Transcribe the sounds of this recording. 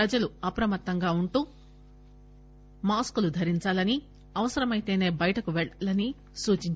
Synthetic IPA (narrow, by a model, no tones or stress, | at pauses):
ɐd͡ʒɐluɐpɾɐmɐt̪ːɐŋɡaːuɳʈuː | maːskulud̪ʱɐɾiɲt͡ʃaːlɐni | ɐʋɐsɐɾɐmɐjt̪e̞ːne̞ːbɐjɐʈɐkuʋɛlɐni | suːt͡ʃiɲt͡ʃ